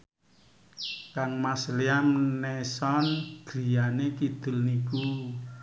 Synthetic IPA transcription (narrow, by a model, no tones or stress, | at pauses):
kaŋmasliamnɛsɔnɡ̥ɾi̤janekid̪̥ə̤lniku